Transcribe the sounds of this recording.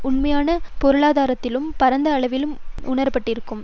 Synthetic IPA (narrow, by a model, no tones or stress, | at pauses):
ʊɳmɐjaːnɐpɔɾɯɭaːðaːɾɐt̪ːɪlɯmpɐɾɐnd̪ɐːɭɐʋɪlɯmʊɳɐɾpɐʈːɪɾɯkːɯm